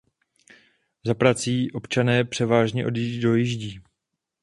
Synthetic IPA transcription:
zapɾat͡siːʔo̞pt͡ʃanɛːpr̝̥ɛvaːʒɲɛʔo̞djido̞jiʒɟiː

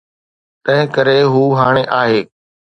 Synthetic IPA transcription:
t̪ɐ̃ɦɪ̃kəɾeɦuːɦaːɽ̃eʔaːɦeː

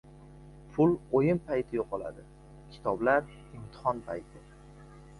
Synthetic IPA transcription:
pʰʊlˠojɪmpʰajt̪ʰɪjoqʰɒlˠa̰d̪ɪ | kʲʰɪ̥t̪ʰɒblaɾ | ɪmt̪ʰɪ̥hɒnpʰa̰jt̪ʰɪ

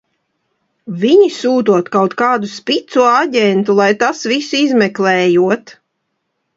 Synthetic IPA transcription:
viɲisuːt̪uɔt̪kawt̪kaːd̪uspʲit̪suɔaɟʲɛnt̪ulˠajt̪asvisizmɛklɛːjuɔt̪

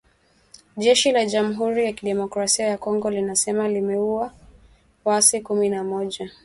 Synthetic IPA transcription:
ʄɛʃilaʄam̩ɦuɾijakiɗɛmɔkɾasiajakɔŋɡɔlinasɛmalimɛua | wasikuminamɔʄa

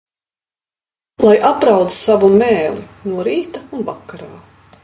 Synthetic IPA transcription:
lˠajʔapɾawd̪z̥savumɛːlinuɔɾiːt̪aunvakːaɾaː

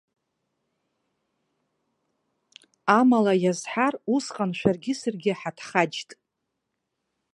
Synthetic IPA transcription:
amalajazħarusqʼanʃʷᶣarɡʲɪsɨrɡʲɪħatʰχad͡ʒtʼ

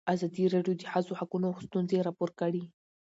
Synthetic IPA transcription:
azɑd̪iɾɑɖjod̪əxazohakunost̪unzeɾɑpoɾkaɽi

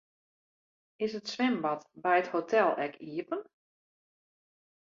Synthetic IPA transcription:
ɪsətsʋɪmbɑtbɛjəthotʰɛlˠɛkʰiəpən

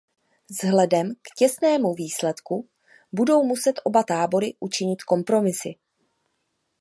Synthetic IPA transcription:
zɦlɛdɛmkcɛsnɛːmuviːslɛt̪ku | budo̞wmusɛt̪ʔo̞bat̪aːbo̞ɾɪʔut͡ʃɪɲɪt̪ko̞mpɾo̞mɪsɪ

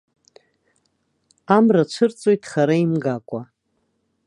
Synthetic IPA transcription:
amrat͡ʃʷʰɨrt͡sʼojtʰʼχaɾaimɡakʷʼa

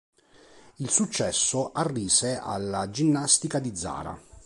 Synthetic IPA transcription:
ilsut͡ʃːɛsːoʔarːiːsea̰lːad͡ʒinːast̪ikad̪id̪zːa̰ːɾa̰

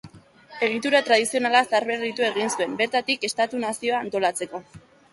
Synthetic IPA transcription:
e̞ɣ̞it̪uɾat̪ɾað̞isio̞nalasaɾβe̞rit̪ue̞ɣ̞insue̞mbe̞ɾt̪at̪ike̞st̪at̪unasio̞aːnt̪o̞lat͡se̞ko̞

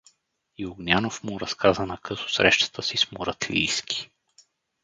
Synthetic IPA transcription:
iʊɡnʲanofmuɾɐskʰazənɐkɤsʊ̥sɾɛʃt̪ə̥t̪əsismoɾɐt̪ʰlḭjskʰi̥

